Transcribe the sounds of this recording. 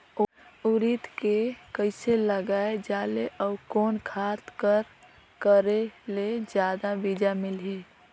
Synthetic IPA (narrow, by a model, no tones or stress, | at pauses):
uɾit̪kekəɪseləɡaːed͡ʒaːleʔəːkoːnkʰat̪kəɾ | kəɾeled͡ʒjaːd̪abid͡ʒamɪlɦe